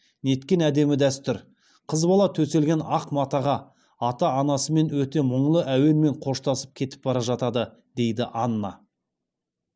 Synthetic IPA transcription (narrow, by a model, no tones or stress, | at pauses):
ne̞t̪kʲe̞næd̪e̞mɪd̪æst̪ʏɾ | qʰəzbɑlˠɑt̪ʰɵse̞lɡʲe̞nɑqmɑt̪ɑʁɑ | ɑt̪ɑːnɑsəme̞nwɵt̪e̞məɴlˠəʔæwe̞ɾme̞ɴqʰo̞ʃt̪ɑsə̥p̚kʲʰe̞t̪ɪ̥p̚bɑɾɑʒɑt̪ɑd̪ə | d̪e̞jd̪ɪʔɑnːɑ̰